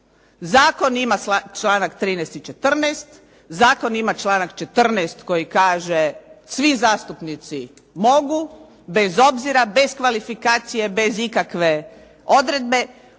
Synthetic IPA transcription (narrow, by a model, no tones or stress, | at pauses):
zaːko̞nimaat͡ʃlˠaːnakt̪ɾiːnɛst̪it͡ʃet̪r̩nɛːst̪ | zaːko̞nimat͡ʃlaːnakt͡ʃe̞t̪r̩nɛst̪ko̞jikaːʒesʋizaːst̪upnit̪si | mo̞ɡu | be̞zo̞bziɾabe̞skʋalifikaːt̪sije̞be̞zikakʋe̞ | o̞d̪ɾe̞d̪̚be̞